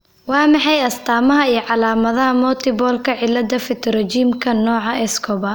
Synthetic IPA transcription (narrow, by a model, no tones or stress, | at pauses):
wɑːmɑħɑjɐst̪ʰaːmɐɦɐijɞʕɑlaːmɐðɐɦɐmɔːt̪ʰɪbɔːlkʰɐʕɪlːɐd̪ɐfɪt̪ʰɾɛd͡ʒiːmkʰɐnɔːʕɑʔɛskʰɔbɐ